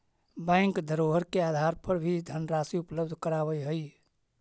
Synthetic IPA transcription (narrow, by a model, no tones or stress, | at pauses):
bãjŋkd̪ʱəɾoɦəɾkead̪ʱaɾpʰəɾbʱid̪ʱənɾasiupləbd̪ʱkəɾaβəjɦəj